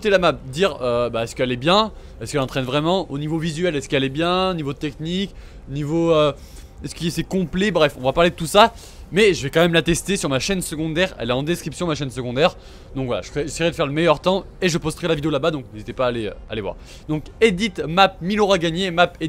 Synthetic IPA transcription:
kot̪elamap̚d̪iʁøbaɛskɛlɛbjɛ̃ | ɛskɛlɑ̃t̪χɛnvʁɛmɑ̃onivovizɥɛlɛskɛlɛbjɛ̃onivoət̪ɛknik | onivoø | ɛskɛsɛkɔ̃plɛbʁɛfɔ̃vapaʁled̪ət̪usa | mɛʒəvɛkɑ̃mɛmlat̪ɛst̪esyʁmaʃɛnsəɡɔ̃d̪ɛːʁɛ̰lɛɑ̃d̪eskχipsjɔ̃maʃɛnsəɡɔ̃d̪ɛʁ | d̪ɔ̃kvwala̰ʒə̥kɛʒesɛjiʁɛd̪əfɛʁləmɛjœʁt̪ɑ̃ | eʒəpɔst̪əʁɛlavid̪eolabad̪ɔ̃knezit̪ɛpaːleø̰a̰levwa̰ʁ | d̪ɔ̃ked̪it̪map̚miløʁaɡaɲemape

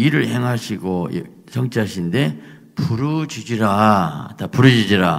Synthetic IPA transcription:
iɾɯɭhe̞ŋɦaɕʰiɡo̰ | sʰʌŋt͡ɕ͈ʰeɦaɕʰinde̞ | puɾɯd͡ʑid͡ʑiɾatapuɾɯd͡ʑid͡ʑiɾa

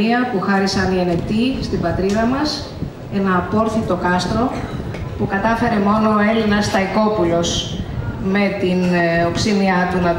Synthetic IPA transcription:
iɐpuxɐɾisɐniene̞pt̪ist̪ibɐt̪ɾiðɐmɐs | enɐpo̞ɾθit̪o̞kɐst̪ɾo̞ | pukɐt̪ɐfe̞ɾe̞mo̞no̞ːe̞linɐst̪ɐiko̞pulo̞s | me̞t̪inopsimiɐt̪unɐ

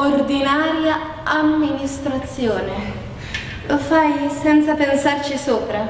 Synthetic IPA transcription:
ord̪inaːɾja | amːinist̪ɾat̪sːjoːne | lofajsɛnt̪sapensart͡ʃisuːpɾa

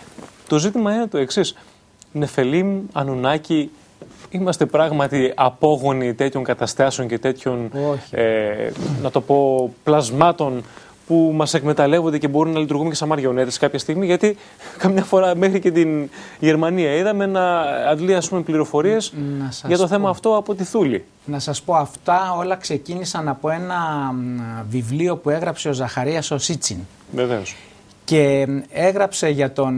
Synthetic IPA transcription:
t̪o̞zit̪imɐine̞t̪oe̞ksis | ne̞fe̞limuɐnunɐci | imɐst̪e̞pɾɐɣmɐt̪iɐpo̞ɣo̞nit̪e̞t̪ço̞ŋkɐt̪ɐst̪ɐseo̞ɲce̞t̪e̞t̪ço̞nenɐt̪o̞po̞plɐzmɐt̪o̞n | pumɐse̞kme̞t̪ɐle̞vo̞nd̪ece̞bo̞ɾumnɐlit̪uɾɣumecesɐmɐɾʝo̞net̪eskɐpçɐst̪iɣmiʝɐt̪i | kɐmɲɐfo̞ɾɐme̞xɾice̞t̪inʝe̞ɾmɐniɐiðɐmeenɐːd̪liɐspume̞pliɾo̞fo̞ɾie̞snɐsɐʝɐt̪o̞θe̞mɐːft̪o̞ɐpo̞t̪iθulḭ | nɐsɐspo̞ɐft̪ɐo̞lɐkse̞cinisɐnɐpo̞e̞nɐ | vivlio̞pue̞ɣɾɐpse̞ozɐxɐɾiɐso̞sit͡sin | veve̞os | ce̞e̞ɣɾɐpse̞ʝɐt̪o̞

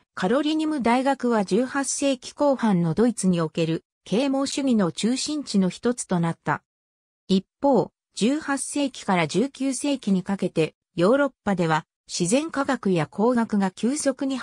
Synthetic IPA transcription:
kʰaɾo̞ɾʲiɲ̟imɯ̟d̪aiɡakɯ̟βad͡ʑɨːhasːe̞ːkʲi̥ko̞ːhãnːo̞d̪o̞it͡sɨɲ̟io̞ke̞ɾɯ̟ | kʰe̞ːmo̞ːɕɨɡʲino̞t͡ɕɨːɕĩɲ̟t͡ɕino̞çi̥t̪o̞t͡sɨ̥t̪o̞nat̪ːa | ipːo̞ː | d͡ʑɨːhasːe̞ːkʲi̥kaɾaʑɨːkʲɨːse̞ːkʲiɲ̟ikake̞t̪e̞ | jo̞ːɾo̞pːad̪e̞β̞a | ɕizẽ̞ŋkaɡakɯ̟jakʰo̞ːɡakɯ̟ɡakʲɨːso̞kɯ̟ɲ̟i

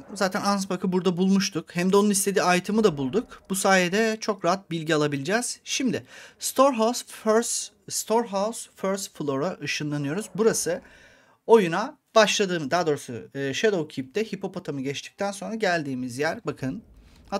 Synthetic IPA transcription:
zaːt̪ʰænansbakʰɯbuɾd̪abulˠmuʃt̪ʰukhæmd̪ɛo̞nunist̪ʰe̞d̪iːajt̪ʰɯmɯd̪abulˠd̪ukb̥usaːjed̪ɛt͡ʃʰo̞kɾaɦat̪̚bilʲɟialˠabilʲid͡ʒɛz̥ʃimd̪ɪst̪ʰoɾɦasɾs | st̪ʰoɾɦawsføɾst̪flˠo̞ɾaʔɯʃɯnlˠanɯjo̞ɾuzbuɾasɯ | o̞junabaʃlˠad̪ɯːmd̪aːd̪o̞ːɾsa̰ʃed̪owcʰip̚t̪ʰɛhipho̞pot̪ʰamɯɟɛt͡ʃt̪ʰi̥c̚t̪ʰænso̞nɾaɟælʲd̪iːmizjæɾbakʰɯn

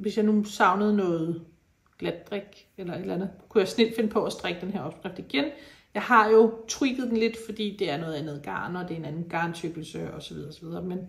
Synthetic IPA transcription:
ʋesjɑ̈ɪnusɑ̈ʊnəð̞̩ˠnɔ̽ːð̩ˠ | ɡ̥læd̥̚ʁɛɡ̥ | elɐe̝d̥lænð̞̩ˠkʰujɑ̈ɪsne̝l̰d̥fe̝nəpʰɒ̽ɒsd̥ʁɛɡ̥əd̥enɦeɐɒ̽b̥sɡ̥ʁɛfd̥iɡ̥enjɑ̈ɪɦɑ̈jo̝t͡sʰʁiɡ̥ðˠd̥enle̝d̥fɒ̽d̥ḭːd̥e̝æɐnɔːð̩ˠenð̩ˠɡ̥ɑ̰̈ːnɒ̽d̥e̝e̝nænn̩ɡ̥ɑ̈nt͡sʰøɡ̥l̩səɒ̽sɒʋiðˠɐɒ̽sɒʋið̞ˠɐmen

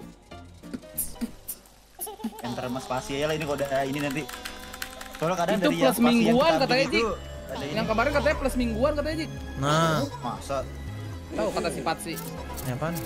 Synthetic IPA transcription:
jaŋt̪əɾmaspasiajalahinikodaininant̪i | solakadaŋd̪uɾipjləsmiŋɡauankat̪aad͡ʒi | adajaŋkəmaɾɛnkat̪̬aɲapləsmiŋɡuankat̪ajad͡ʒik̚ | mama̰sa | t̪aukat̪asifat̪̚sɪh | ɲapan

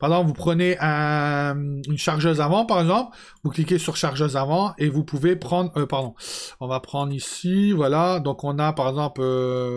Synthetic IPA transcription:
paʁezɑ̃pvupχəneʔɛ̃ | ynʃaʁʒøzavɑ̃paʁɛɡzɑ̃pl | vuklik̬ʲesyʁʃaʁʒøzavɑ̃evupuvepχɑ̃d̪ʁøpaʁd̪ɔ̃ɔ̃vapχɑ̃d̪ʁisivwalad̪ɔ̃kɔ̃napaʁɛɡzɑ̃plø

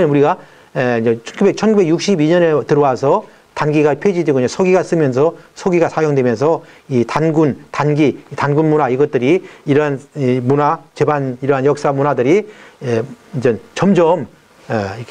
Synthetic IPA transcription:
ʌnuɾiɡa | eind͡ʑet͡ɕʰʌnɡubek̚t͡ɕʰʌnɡube̞ɡjuk̚ɕ͈ibiɲʌnetɯɾʌwasʰʌ | tanɡiɡapʰed͡ʑidweɡoɲasʰoɡiɡas͈ɯmjʌnsʰʌsʰoɡiɡasʰajoŋdwe̞mjʌnsʰʌitanɡuntanɡiitanɡunmunaiɡʌt͈̚ɯɾiːɾʌɦanimunat͡ɕe̞baniɾʌɦanjʌk̚s͈amunadɯɾied͡ʑʌnt͡ɕʌmd͡ʑʌm | ek

